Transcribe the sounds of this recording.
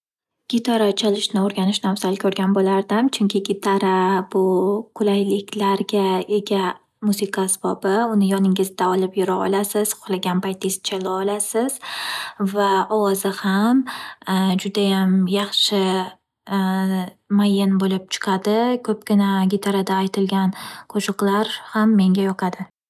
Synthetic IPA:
ɡ̥ʲɪt̪ʰaɾat͡ʃʰalɪʃnɪoɾɡʲanɪʃnafsalɪkʰɵɾɡʲanbolaɾd̪ɪmt͡ʃʰʊŋkʲʰɪɡʲɪt̪ʰaɾabʊqʰʊlajlɪkʲlaɾɡʲae̞ɡʲa | musɪkʰasbɒbɪʊnɪjɒnɪŋɪzd̪aɒlɪpjʊɾaɒ̰lasɪz̥qʰʊ̥χlaɡʲanpajt̪ʰɪzt͡ʃʰalaɒlasɪz̥ | vaɒwɒzɪham | d͡ʒʊd̪ajamjɑχʃɪ | majːɪnbolɪp̚t͡ʃʰɨ̥qʰad̪ɪkʰɵp̚ɡʲɪnaɡʲɪt̪ʰaɾad̪aːjt̪ʰɪlɡʲanqʰoʃɨqlˠaɾhamːe̞ŋɡʲajɒqʰɑd̪ɪ

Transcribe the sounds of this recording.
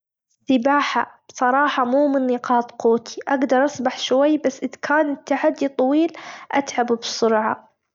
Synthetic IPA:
sɪbaːħa̰b̥sˤɑɾˤɑːħɑmuːmɪnːiːqɑːt̪quːt̪i̥ʔaɡd̪ɑɾˤʔɑsˤbaħʃwajːbasːʔɪðkʰaːnɪt̪ːaħad̪ːit̪ˤɑwiːlʔat̪ʕabbsʊɾʕɑ̰

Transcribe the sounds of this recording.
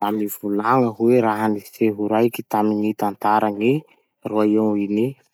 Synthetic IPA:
amivulaŋəɦuweɾaɦanifeɦuɾajkit̪aminit̪ant̪aɾaŋi | ruaeini

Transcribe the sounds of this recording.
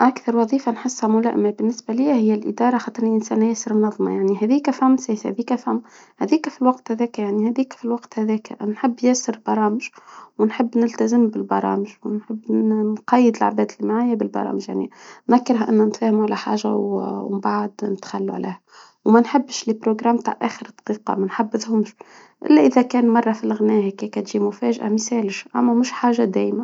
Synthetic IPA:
ʔakθɑɾˤwɑðˤiːfanħəsːhæmulæ̰ʔmæbɪnːɪsbæliːhæhɪjːælʔɪd̪ɑːɾˤɑxɑːt̪ˤɨɾniʔɪnsæːnːæjæsəɾmnɑðˤmɑ̰jaʕniɦæðiːkæfhæmːsæːshæ̰ðiːkæfhæmː | hæðiːkæfilwɑqt̪hæðɛːkæjaʕnihæðiːkfilwɑqt̪hæðɛːkæ̰nħɪbːjæsəɾbɑɾˤɑːmɪʒwɪnħɪbːnɪlt̪æzəmbɪlbɑɾˤɑ̰ːmɪʒwnħəbːnqɑjːəd̪ɪlʕbæːd̪ɪlimaʕaːjːæbɪlbɑ̰ɾˤɑ̰ːmɪʒja̰ʕnḭnðækːɪɾɦaʔɪnːænt̪fæːhɪmuʕalæħa̰ːʒawbaʕad̪nɪt̪xalːṵʕlḛːhæ | wmænħɪbːʃlipɾoɡɾaːmːt̪a̰ːʕʔæːxəɾt̪ːˤqiːqɑ̰mænħabːɪðhʊmʃ | ʔɪ̰lːæʔɪðækæːnmɑrˤːɑfilɪɣnæːhækækæt̪ʒiːmʊfæːʒʔa̰mɪsæːlɪʃʔæ̰mːæmʊʃħaːʒad̪æ̰ːjmæ

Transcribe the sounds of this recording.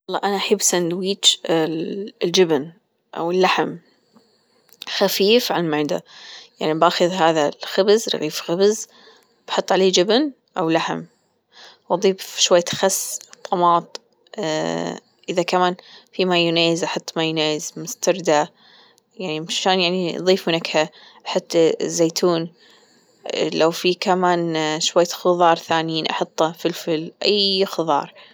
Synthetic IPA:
wɑlˤːɑːʔanaʔaħɪbːsand̪wiːt͡ʃ | ld͡ʒɪbn | ʔa̰wɪlːaħm | xafiːfʕamaʕd̪a̰jaʕnibaxɨðɦaːðalxabzɾɪ̰ɣiːfxabz | b̥ħʊt̪ˤːʕaleːd͡ʒɪbn | ʔawlaħm | wʔɑd̪ˤiːbʃwajːxasːt̪ˤːɑmɑːt̪ˤ | ʔɪðakamaːnfimajʊneːjɪzʔɑħɑt̪ˤːmajneːjɪzmʊst̪ɑɾˤd̪a | jaʕnimʃaːnjaʕniðˤiːfmʊnakha | ħɪt̪ːzːeːt̪ʰuːn | lawfikamaːnʃwajːxʊðˤɑːɾˤθaːnjiːnʔɑ̰ħɑt̪ˤːɑfilfɪlʔajxɨðˤɑ̰ːɾˤ

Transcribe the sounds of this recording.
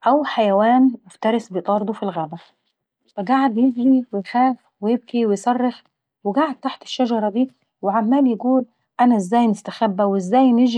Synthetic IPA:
ʔæwħajæwæːnmʊft̪ɑɾˤɪsbet̪ˤɑːɾd̪ufilɣæːbæ | fæɡaʕed̪jɪɡliwejxæːf | wejɪb̚kiwejsˤɑrˤːɑx | wɪɡaʕed̪̚t̪aħt̪ɪ̥ʃːæd͡ʒɑɾˤɑd̪iː | weʕamːæːljeɡuːl | ʔænæʔɪzːæːjnɪst̪æxæbːæwɪzːæːjnɪʒ

